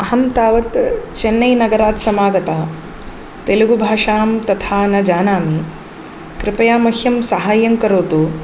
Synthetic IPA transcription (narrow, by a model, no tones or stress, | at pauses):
ɐɦɐmt̪aːʋɐt̪t͡ʃenːɐjnɐɡɐɾaːt̪sɐmaːɡɐt̪a | t̪eluɡubʱaːʂaːmt̪ɐt̪ʰaːnɐd͡ʒaːnaːmi | kɾɪpɐjaːmɐhjɐmsɐɦaːjɐŋkɐɾoːt̪u